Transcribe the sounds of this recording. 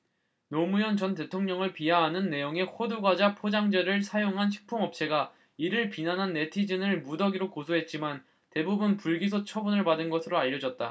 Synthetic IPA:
nomujʌnt͡ɕʌnte̞tʰoŋɲʌŋɯɭpiɦaɦanɯnːe̞joŋe̞hoduɡad͡ʑapʰod͡ʑaŋd͡ʑeɾɯɭsʰajoŋɦanɕʰi̥k̚pʰoŋʌp̚t͡ɕʰe̞ɡa | iɾɯɭpinanɦanːe̞tʰid͡ʑɯnɯɭmudʌɡiɾokosʰoɦe̞t̚t͡ɕ͈iman | te̞bubunpuɭɡis̬ʰot͡ɕʰʌbunɯɭpadɯnɡʌsʰɯɾoaʎːʌd͡ʑʌt̚t͈a̰

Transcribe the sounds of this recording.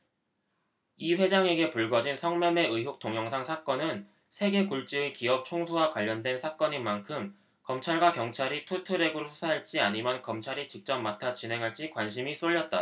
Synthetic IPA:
iɸwe̞d͡ʑaŋe̞ɡe̞puɭɡʌd͡ʑinsʰʌŋmʌme̞ɯɦok̚t͈oŋjʌŋsʰaŋsʰak͈ʌnɯn | sʰe̞ɡe̞kuɭt͡ɕ͈ɯekiʌp̚t͡ɕʰoŋsʰuwakwaʎːʌndwe̞nsʰak͈ʌɲimankʰɯm | kʌmt͡ɕʰaɭɡwakjʌŋt͡ɕʰaɾitʰutʰɯɾe̞ɡɯɾsʰu̥sʰaɦaɭt͡ɕ͈iaɲimjʌnkʌmt͡ɕʰaɾit͡ɕik̚t͡ɕ͈ʌmːatʰat͡ɕinɦe̞ŋɦaɭt͡ɕ͈ikwanɕ̬ʰimis͈oʎːʌt̚t͈a

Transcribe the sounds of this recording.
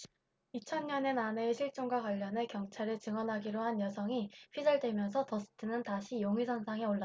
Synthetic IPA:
it͡ɕʰʌnɲʌne̞nane̞ːɕʰiɭt͡ɕ͈oŋɡwakwaʎːʌne̞kjʌŋt͡ɕʰaɾɯt͡ɕɯŋwʌnɦaɡiɾohanjʌsʰʌŋiɸɥid͡ʑaɭdwe̞mjʌns̬ʰʌtʌs͈ʰɯ̥tʰɯnɯntaɕʰijoŋisʰʌnsʰaŋeoɭːa

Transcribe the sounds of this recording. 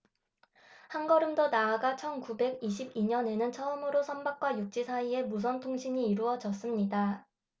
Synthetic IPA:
hanɡʌɾɯmdonaːɡat͡ɕʰʌnkube̞ɡiɕʰibiɲʌne̞nɯnt͡ɕʰʌɯmɯɾosʰʌnbak̚k͈wajuk̚t͡ɕ͈isʰaie̞mus̬ʰʌntʰoŋɕʰiɲiːɾuʌd͡ʑʌs͈ɯmɲida

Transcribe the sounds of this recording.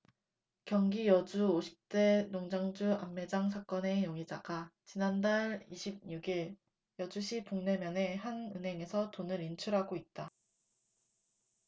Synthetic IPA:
kjʌŋɡijʌd͡ʑuoɕʰi̥p̚t͈e̞noŋd͡ʑaŋd͡ʑuamːe̞d͡ʑaŋsʰak͈ʌne̞joŋid͡ʑa̰ɡat͡ɕinandaɾiɕʰib̚ɲuɡiɭ | jʌd͡ʑuɕʰipoŋnemjʌne̞hanɯnɦe̞ŋe̞sʰʌtonɯɾint͡ɕʰuɾɦaɡoit̚t͈a

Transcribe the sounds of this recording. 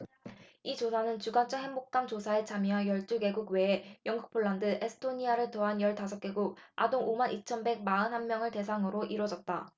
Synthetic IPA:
it͡ɕosʰanɯnt͡ɕuɡant͡ɕʰʌɦe̞mbok̚k͈amt͡ɕosʰae̞t͡ɕamiajʌɭt͈uke̞ɡuɡwe̞ːjʌŋɡuk̚pʰoɭːandɯʔesʰɯ̥tʰoɲiaɾɯɭtoɦanjʌɭtas̬ʰʌk͈e̞ɡuk̚a̰doŋomanit͡ɕʰʌnbe̞ɡ̚maɯnɦanmːjʌŋɯɭte̞s̬ʰaŋɯɾoʔiɾwʌd͡ʑʌt̚t͈a

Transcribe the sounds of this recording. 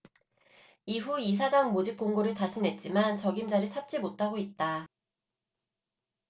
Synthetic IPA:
iɸuis̬ʰad͡ʑaŋmod͡ʑip̚k͈oŋɡoɾɯɭtaɕʰinɦe̞t̚t͡ɕ͈imant͡ɕʌɡimd͡ʑaɾit͡ɕʰʌt̚t͡ɕ͈imot͈̚ʰaɡoit̚t͈a

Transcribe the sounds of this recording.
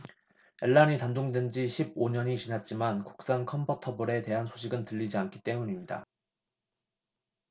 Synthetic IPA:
e̞ɭːaɲitandoŋdwend͡ʑiɕʰib̚oɲʌɲit͡ɕinat̚t͡ɕ͈imanku̥k̚s͈ankʰʌmbʰutʰʌbuɾe̞te̞ɦansʰo̥ɕʰiɡɯntɯʎːid͡ʑiankʰi̥t͈e̞muɲimɲida̰

